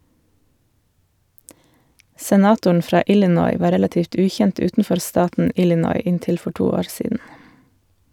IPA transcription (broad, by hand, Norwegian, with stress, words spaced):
sɛˈnɑːtʊɳ ˈfɾɑː ˈʔɪlɪnɔʏ ˈʋɑː ˈɾɛlɑˌtiːft ˈʉːˌçɛnt ˈʉːtn̩ˌfɔɾ ˈstɑːtn̩ ˈɪlɪnɔʏ ˈɪnˌtɪl ˈfɔ ˈʈuː ˈoːɾ ˈsiːdn̩